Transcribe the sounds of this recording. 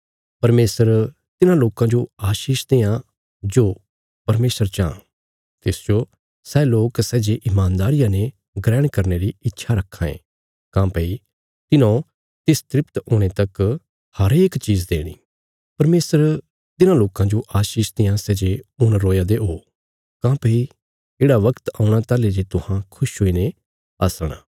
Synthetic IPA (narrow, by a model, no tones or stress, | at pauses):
pɐɾmeːsəɾ | t̪ɪnãloːkãd͡ʒoaːʃiːʃd̪eːã | d͡ʒoː | pɐɾmeːsəɾt͡ʃã̰ː | t̪ɪsd͡ʒo | sɛːloːksɛːd͡ʒeʔɪmaːnd̪aːɾɪjãne | ɡɾɛːɽ̃kɐɾneɾiɪtːʃʰaɾɐkʰːãːḛ̃ː | kãːpəi | t̪ɪnõ | t̪ɪst̪ɾɪpt̪oːɽ̃et̪ɐk | hɐɾeːkt͡ʃiːzd̪ḛːɽ̃ḭː | pɐɾmeːsəɾ | t̪ɪnãloːkãd͡ʒoʔaːʃiːʃd̪ɪjãsɛːd͡ʒeʊñɾoːjad̪eɦoː | kãːpəi | eːɽaʋɐkt̪aːʊɽ̃at̪aːled͡ʒet̪ʊhãkʰʊʃɦoːine | ɐsɽ̃a̰ː